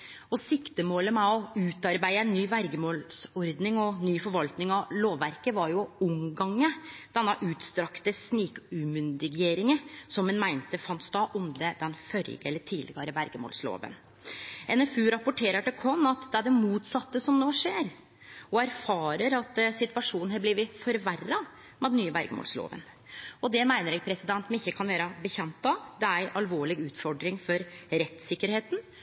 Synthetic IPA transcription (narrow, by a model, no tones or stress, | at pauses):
ɔsɪkt̪əmoːləmæɔʉːt̪ɑɾbæɪəɛnːyːʋæɾɡəmoːlsɔɾd̪nɪŋɔnyːfɔɾʋɑlt̪nɪŋɑloːʋːæɾkəʋɑɾjʊʊmɡɑŋːəd̪̥ɛnːɑʔʉːt̪st̪ɾɑkt̪əsniːkʉmʉnd̪ɪɡeːɾɪŋəsɔmːɛnmæɪnt̪əfɑnt̪sd̪ɑːʔɔmd̪əd̪ɛnfœɾɪ̰ɡəɛlːəʈʰiːlɪ̰ɡɑɾəʋæɾɡəmo̰ːlslo̰ːʋə̰n | ɛnɛfʉːɾɑpʊʈʰeːɾəʈɪkʰɔnːɑt̪d̪ɛæɖɛmuːt̪sɑt̪ːəsɔmnoːʂeːɾ | ɔæɾfɑːɾəɾɑt̪sɪt̪ʋɑʂuːnn̩hɑblɪʋɪfɔɾʋærːɑ | mɛd̪nyːəʋæɾɡəmo̰ːlslo̰ːʋə̰n | ɔd̪ɛmæɪnəɾɛːɡ̚pʰɾɛsɪd̪ɛnt̪mɛnɪçːəkʰɑnʋeːɾəbəçɛmt̪ːɑd̪ɛæɾɪʔɑlʋoːɭɪɡʉːt̪fɔɖɾɪŋfɔɾɾɛt̪sɪkːəɾheːt̪n̩